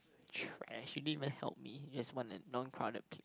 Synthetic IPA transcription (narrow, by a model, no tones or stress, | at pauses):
tʰɹɛ̰ʃjunivə̃nhɛ̰lˠp̚mid͡ʒaswɔ̃nə̰nɔ̃nkʰɹaʊdə̰t̚pʰle